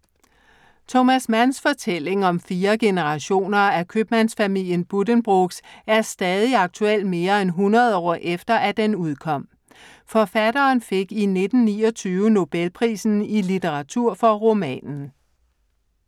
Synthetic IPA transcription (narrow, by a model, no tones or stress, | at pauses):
t͡sʰomæsmænsfɒ̽t͡sʰel̰e̝ŋɒ̽mfiːɐɡ̥e̝nəʁɑ̈ɕo̝̰ːnɐækʰøb̥mænsfæmil̰jənb̥udənb̥ʁoɡ̥sæɐsd̥ɛːð̞ˠiɑ̈ɡ̥̚t͡sʰuel̰d̥me̝ːɐenɦunʁɐð̞̩ˠɒ̰ːʔefd̥ɐʔæd̥enuð̞ˠkʰɒ̽m̰ | fɒ̽fædɐːnfe̝ɡ̥ine̝d̥n̩nḭːɒt͡sʰyːʊəno̝b̥elpʰʁḭːsn̩ilit͡seʁɑ̈t͡sʰuɐ̰fɒ̽ʁo̝mɛ̰ːnn̩